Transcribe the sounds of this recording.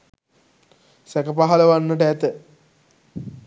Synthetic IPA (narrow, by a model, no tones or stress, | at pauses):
sɛkɐpaɦɐlɐʋanːəʈɛt̪ə